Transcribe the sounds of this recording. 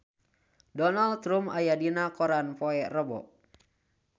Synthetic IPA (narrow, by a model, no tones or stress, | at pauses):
dɔnalt̪ɾumajadinakɔɾanpɔɛrəbɔ̰ʔ